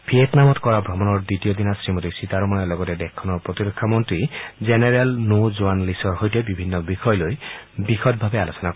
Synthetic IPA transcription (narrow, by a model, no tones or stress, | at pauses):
bʱietnamɔtkɔɹabʱɔmɔnɔɹd̪itiɔd̪inasɹimɔtisitaɹɔmɔnalɔɡɔtɛdɛkʰːɔnɔɹpɹɔt̪iɾɔkʰːamɔntɹizeneɹalnozoanlisɔɹɦojtebibʱinːɔbixʰɔjɔlojbixʰɔt̚bʱabealosɔnak